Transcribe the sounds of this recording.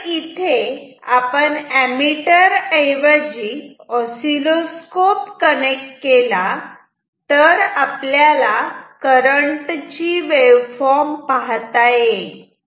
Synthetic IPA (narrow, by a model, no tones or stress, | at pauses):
it̪ʰe | apəɳæmiʈəɾəjʋəd͡ʑiːɔsiloskopkənek̚ʈkela | t̪əɾapljalakəɾəɳʈt͡ɕiʋeʋfɔɾmpaɦt̪aje